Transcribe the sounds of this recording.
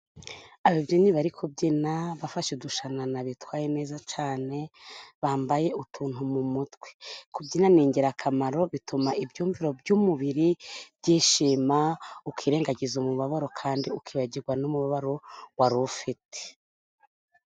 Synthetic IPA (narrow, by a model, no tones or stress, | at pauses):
aβibjoniβaɾikʰubɟinaβafaʃeduʃananaβitwaːjene̞ːzat͡ʃaːne̞βaːmbaje̞ʔutʰuːn̥humumutɡwe̥kubɟinaniːɲɟeɾakʰamaɾo̞βitumaʔibɟuːɱviɾo̞bɟumuβiɾibɟiːʃiːmaukiːɾe̞ːŋɡaɟizumuβaβaɾo̞kʰaːndiukiːβaɟiɾɡwanumuβaβaɾo̞waɾufite̥